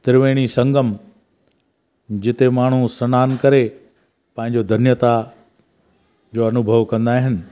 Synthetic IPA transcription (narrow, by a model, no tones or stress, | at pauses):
t̪ɪɾʋeːɽ̃isɐ̃ŋɡəm | d͡ʑɪt̪emaːɳ̤usɐnaːnkɐɾe | pɐ̃ɦɪ̃ɲd͡ʑod̪ʱɐnjət̪a | d͡ʑoːɐnʊbʱəʋkɐ̃nd̪aːɦɪnɪ̆